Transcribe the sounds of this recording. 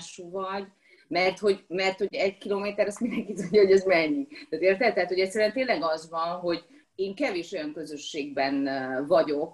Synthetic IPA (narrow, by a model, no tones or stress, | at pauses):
ʃuvɒɟ | mɛrt̪ho̞ɟmɛrt̪ho̞ɟɛɟkiloːmeːt̪ɛɾɛst̪mind̪ɛŋkit̪uɲɟɒɦoɟɛzmɛɲːit̪aːt̪eːrt̪ɛt̪ɛɦaːt̪ho̞ɟɛt̪sɛɾyæːnt̪eːnlɛɡɒzvɒnɦo̞ɟ | eːŋkɛveːʃo̞jɒŋkø̞zøʃːeːɡbɛnvɒɟo̞k̚